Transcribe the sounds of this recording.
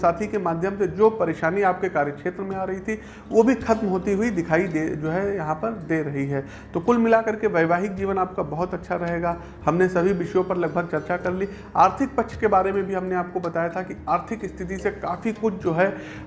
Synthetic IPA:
saːt̪ʰikemaːd̪ʱjəmsed͡ʒoːpɐɾeːʃaːniaːp̚kekaːɾjəkʃeːt̪ɾəmẽaːɾɐɦit̪ʰi | ʋobʱixɐt̪mɦoːt̪iɦʊid̪ɪkʰaːid̪ed͡ʒoːɦɛjɐɦãpɐɾd̪eːɾɐɦiɦɛː | t̪okʊlmɪlakɐɾkeʋɐɪʋaːɦɪk̚d͡ʒiːʋənaːp̚kabɐɦʊt̪ɐtːʃʰaɾɐɦeːɡaː | hɐmnesɐbʱiʋɪʃjõpɐɾlɐɡ̚bʱəɡ̚t͡ʃɐɾt͡ʃakɐɾli | aːɾt̪ʰɪk̚pɐkʃʰkebaːɾemẽbʱiɦɐmneaːp̚kobɐt̪aːjat̪ʰakiaːɾt̪ʰɪkɪst̪ʰɪt̪̬isekaːfikʊt͡ʃʰd͡ʒoːɦɛ

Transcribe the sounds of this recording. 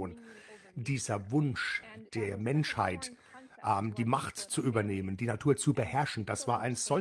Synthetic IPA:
n | d̥iːzɐvʊnʃd̥eːɐmɛnʃha̰ɪt | ʔɛmd̥iːmaχtt͡suʔyːbɐneːməndiːnatʰuːɐt͡subəhɛɐʃn̩d̥asv̥aːɐʔaɪnz̥ɔ

